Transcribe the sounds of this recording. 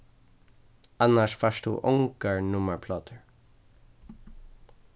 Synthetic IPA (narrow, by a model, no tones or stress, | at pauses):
anaʃfaʃt̪ṵːʔʊŋkəɹnʊməɹpʰlɔːt̪əɹ